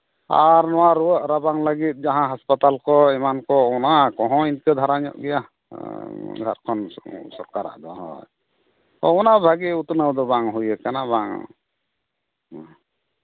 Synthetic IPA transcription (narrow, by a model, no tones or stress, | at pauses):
a̰ɾnɔwaɾuwəʔɾabaŋləɡit̪̚ˀd͡ʒaɦãɦaspat̪alkɔɛmankɔɔnakɔɦɔ̃inkəd̪ʱaɾaɲɔ̰ʔɡɛja | dʱa̰ɾkʰɔnsɔɾkaɾa̰ʔd̪ɔaɦɔ̰j | t̪ɔ̰ɔnabʱaɡiut̪nawd̪ɔbaŋɦujəkanabaŋ̰